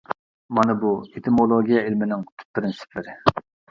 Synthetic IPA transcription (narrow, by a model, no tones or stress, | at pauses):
mɑnɨbuet̪ʰɪmolˠoɡʲijɛelmɪnɪŋt̪ʰy̥pːɪɾɪnsɪ̥pʰlɪɾɪ